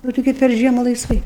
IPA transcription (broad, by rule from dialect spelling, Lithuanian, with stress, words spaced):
oː tʲɪˈɡʲɪ pʲɛr ˈʒʲiɛmʊ lˠɐɪsˈʋɐɪ